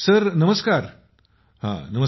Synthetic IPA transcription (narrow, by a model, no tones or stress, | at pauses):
səɾnəməskaɾ | hã̰nəmə